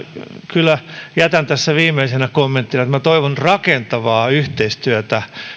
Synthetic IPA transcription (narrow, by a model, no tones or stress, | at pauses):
kylːˑæjæt̪ænt̪æsːæʋiːmeisenækomːent̪ːinɑet̪mæt̪oiʋonrɑkent̪ɑʋɑːyht̪eist̪yæt̪æ